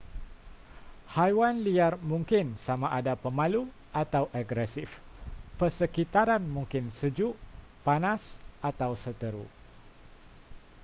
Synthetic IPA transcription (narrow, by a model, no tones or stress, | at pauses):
hajwanliarmũŋkɪnsamaʔadapəmãlu | ʔat̪awʔaɡɾɛsifpərsəkit̪aɾanmũŋkɪnsəd͡ʒuʔ | panasʔat̪awsət̪əɾu